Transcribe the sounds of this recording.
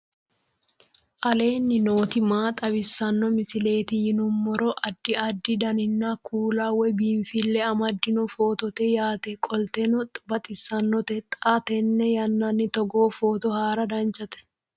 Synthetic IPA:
ʔɐle̞ːnːɪno̞ːt̪ɪmaːt̪ʼɐbɪsɐnːɔmɪsɪle̞ːt̪ijɪnʊmːɔɾɔʔɐd̪ːɪɐd̪ːɪd̪ɐnɪnːaːkʰuːlaːwɛbiːnfɪlːɛɐmɐd̪ːɪnʊfoːt̪ɔt̪ɛjaːt̪ɛkʼɔlt̪ɛnɔt̪ʼbɐt̪ʼɪsɐnːɔt̪ɛt̪ʼaːt̪ɛnːɛjɐnːɐnːɪt̪ɔɡoːfoːt̪ɔhaːɾɐd̪ɐnt͡ʃʼɐt̪ɛ̥

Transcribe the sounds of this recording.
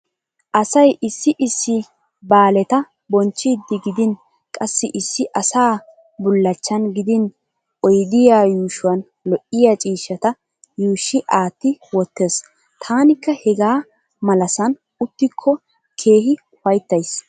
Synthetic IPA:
ʔɐsɐjʔɪsːɪʔɪsːɪ | baːlɛt̪ɐ | bɔnt͡ʃːɪd̪ːɪɡɪd̪ɪn | kʼɐsːɪʔɪsːɪʔɐsaː | bʊlːɐt͡ʃːɐnɡɪd̪ɪn | ʔɔjd̪ɪjaːjuːʃʊwɐn | lɔʔɪjat͡ʃʼiːʃːɐt̪ɐ | juːʃːɪʔaːt̪ːɪwɔt̪ːeːs | t̪ʰaːnɪkːɐhɛɡaː | mɐlɐsɐn | ʊt̪ːɪkʰːɔ | kʰe̞ːɦɪ | ʊfɐjt̪ːɐjs

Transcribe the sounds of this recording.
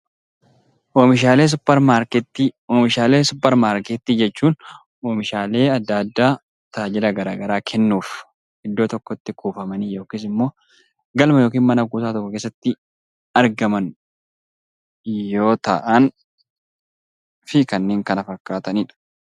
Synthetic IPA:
ʔomɪʃaːleːs̬ʊpːɐɾmaːɾkt̪ːiomɪʃaːle̞ːsʊpːɛɾmaːɾkeːt̪ːiːd͡ʒɛt͡ʃːuːn | oːmɪʃaːle̞ːɐd̪ːaːd̪ːaː | t̪aːd͡ʒɪlɐɡɐɾaːɡɐɾaːkʰɛnːuːf | hɪd̪ːo̞ːt̪ɔkːɔt̪ːɪkʰuːfɐmɐniːjo̞ːkiːs̬ɪmːo̞ː | ɡɐlmɐjoːk̬iːnmɐnɐɡuːsaːt̪ɔkːɔke̞ːs̬ːɐt̪ːɪ | ɐɾɡɐmɐn | jo̞ːt̪ɐ̰ʔɐn | fɪkɐnːeːŋkɐnɐfɐkːaːt̪ɐniːᶑɐ̥

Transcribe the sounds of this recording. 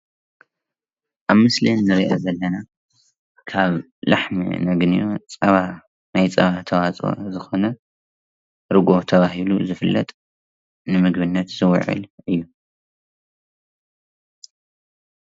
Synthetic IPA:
ʔaβmɨslinːɨɾiʔɐzɐlːɐna | kʰaβ | laħmḭnɐɡnijo̞t͡sʼɐβa | najt͡sʼɐβat̪ʰɐwat͡sʼo̰zɨxo̞nɐ | ɾɨɡo̞t̪ʰɐβaɦiluzɨfɨlːɐ̰t̪ʼ | nɨmɨɡbɨnːɐt̪z̥ɨw̰ʕɨ̰lɨjːu

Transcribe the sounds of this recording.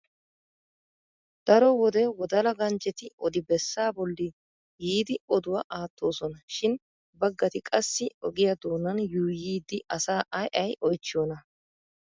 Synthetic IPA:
d̪̥ɐɾɔwɔd̪ɛwɔd̪ɐlɐɡɐnt͡ʃʼːɛt̪ɪɔd̪ɪbɛsːaːbɔlːɪ | jiːd̪ɪɔd̪ʊwɐʔaːt̪ʰːo̞ːsɔnɐʃɪn | bɐɡːɐt̪ɪkʼɐsːɪɔɡɪjɐd̪oːnːɐnjuːjiːd̪ːɪʔɐsaːʔɐjʔɐjʔɔjt͡ʃːɪjoːnɐ

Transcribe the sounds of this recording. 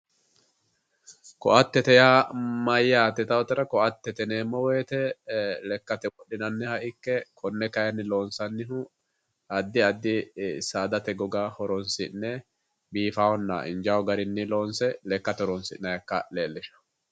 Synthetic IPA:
kɔ̰ʔɐt̪ːɛt̪ɛjaːmɐjːaːt̪ːɛt̪ɐwɔt̪ɛɾɐkɔʔɐt̪ːɛt̪ɛneːmːɔweːt̪ɛlɛkːɐt̪ɛwɔɗːɪnɐnːɪhɐʔɪkːɛkʰɔnːɛkɐjɐnːɪlo̞ːnsɐnːɪɦʊ | ɐd̪ːɪɐd̪ːɪsaːd̪ɐt̪ɛɡɔɡaːhɔɾɔnsɪ̰nːɛ | biːfaːwɔnːɐ̰ʔɪ̰nd͡ʒaːwɔɡɐɾɪnːɪlo̞ːnsɛlɛkːɐt̪ɔɾɔnsɪ̰nɐjɐkːɐleːlːɪʃɐ̥

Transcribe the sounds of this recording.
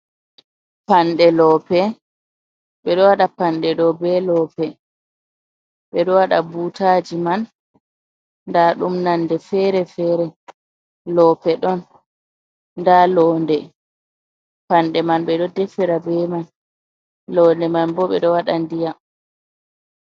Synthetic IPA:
panɗɛlɔːpɛ | ɓɛɗɔwaɗapanɗɛɗɔbɛlɔːpɛ | ɓɛɗɔwaɗabuːtad͡ʒiman | daɗumnandɛfɛɾɛfɛːɾɛ | lɔːpɛɗɔn | ndalɔːndɛ | panɗɛmanɓɛɗɔdɛfɛɾabɛman | lɔndɛmanbɔɓɛ̰ɗɔwaɗandija

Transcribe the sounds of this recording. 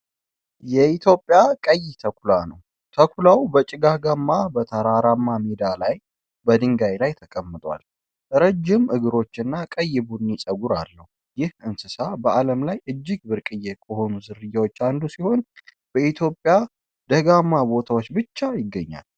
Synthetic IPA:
jɛit̪ʰjo̞pʼːjakʼəjːɪt̪ʰəkʷʰulanəw | t̪ʰəkʰʷulawbət͡ʃʼɪɡaɡamːabət̪ʰəɾaɾamːamed̪alaj | bəd̪ɨŋɡajlajt̪ʰəkʼəmːɨt̪ʼwa̰l | ɾəd͡ʒːɪmʔɨɡɨɾo̞t͡ʃːɨnːakʼəjːɪbunːit͡ʃʼəɡuɾalːəhu | jɪhɨnsɨsabəʔaləmlajʔɨd͡ʒːɪɡbɨɾkʼɨjːɛkʼəho̞nuzɨɾɨjːawo̞t͡ʃːand̪usiho̞n | b̥əit̪ʰjo̞pʼːja | d̪əɡamːabo̞t̪ʰawot͡ʃːbɨt͡ʃːajɪɡːəɲːa̰l

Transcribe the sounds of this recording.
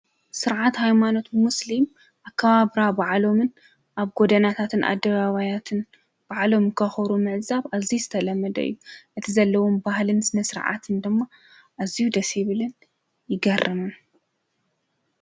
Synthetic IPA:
sɨɾʕat̪hajmano̞t̪muslim | ʔakʰːɐβaβɾabaʕlo̞mɨn | ʔaβɡo̞d̪ɐnat̪ʰat̪ʰɨnʔa̰d̪ːɐβaβajat̪ʰɨn | b̥aʕlo̞mkʰɐxɐɾumɨʕzaβazizɨt̪ʰɐlɐmːɐd̪ɐ̰ʔɨ̰jːuʔɨt̪ʰizɐlːɐwombahlɨnsɨnɐsɨɾ̰ʕa̰t̪ʰɨnd̪ɨmːa | ʔazijud̪ɐsiβɨlɨn | jɪɡɐrʔɨmɨn

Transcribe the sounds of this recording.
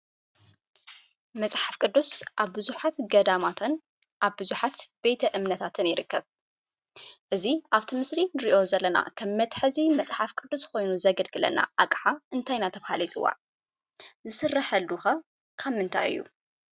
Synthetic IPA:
mɐsʼħafkʼɨd̪ːusʔaβbɨzuħat̪ɡɐd̪amat̪ʰɨn | ʔaβbɨzuħat̪b̥e̞t̪ʰɐʔɨmnɐt̪ʰat̪ʰɨnjɪɾɨkːɐβ | ʔɨziʔaβt̪ʰɨmɨslinɨɾiʔo̞zɐlːɐna̰kʰɐmːɐt̪ʼħɨzimɐsʼħafkʼɨd̪ːusko̞jnuzɐɡɐlɡɨlɐ̰na̰ʔakʼħaʔɨnt̪ʰajnat̪ʰɐβahalɐjt͡sʼɨwːa̰ʕ | zɨsɨrːɐħɐlːuxɐ | kʰamɨnt̪ʰa̰jɨ̰jːṵ

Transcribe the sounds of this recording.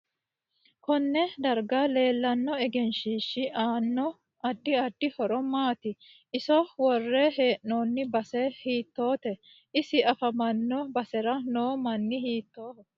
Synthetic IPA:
kɔnːɛd̪ɐɾɡale̞ːlːɐnːɔɛɡɛnʃiːʃːɪʔaːnːɔ | ɐd̪ːɪɐd̪̥ːɪhɔɾɔmaːt̪ɪ | ɪsɔwɔrːɛɦeːʔnoːnːɪbɐsɛhiːt̪ːoːt̪ɛ | ɪsɪɐfɐmɐnːɔbɐsɛɾɐnoːmɐnːɪhiːt̪ːoː

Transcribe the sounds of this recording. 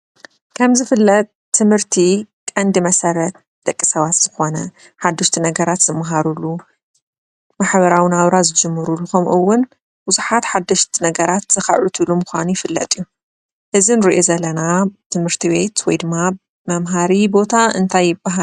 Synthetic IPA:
kʰɐmzɨfɨlːɐt̪̚ʼʰːɨmhɨɾt̪ʰi | kʼɐnd̪imɐsɐɾɐt̪̚ | d̪̥ɐkʼːisɐβat̪z̥ɨxo̞nɐ | ħad̪ːɐʃt̪ʰinɐɡɐɾat̪z̥ɨmːaɦaɾulːu | maħβɐɾawɨnaβɾazɨd͡ʒɨmːɨɾulːuxɐmʔɨwːʊn | buzuħat̪ħad̪ːɐʃt̪ʰinɐɡɐɾat̪z̥ɐxa̰ʕʕut̪ʰɨlumʊxʷanujɪfɨlːɐ̰t̪ʼiju | ʔɨzinɨɾiʔozɐlɐnat̪ʰɨmhɨɾt̪ʰiβe̞t̪wɔjd̪ɨmːa | mɐmɦaɾibo̞t̪ʰaʔɨnt̪ʰajːɪbːaɦa

